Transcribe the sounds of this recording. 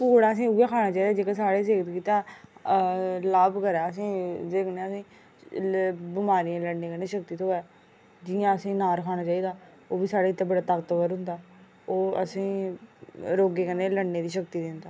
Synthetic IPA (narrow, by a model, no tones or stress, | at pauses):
poːɽaːəsĩːʊɡãːkʰaːnaːt͡ʃaːiːd̪aːd͡ʒeːkasaːɽeːs̬eːkət̪kiːt̪aː | laːbkəɾɛːəsĩːd͡ʒeːkəneːəsĩː | bɪmaːɾijãːləɽneːkəneːʃək̚t̪iːt̪ʰoːɛː | d͡ʒɪjãːəsĩːnaːɾkʰaːɽ̃aːt͡ʃaːiːd̪aː | oːbiːsaːɽeːɪt̪ːãːbəɽaːt̪akət̪kəɾɦʊ̃nd̪aː | oːə̰sĩː | ɾoːɡeːkəneːləɽneːd̪iːʃəkt̪iːd̪ɪnd̪aː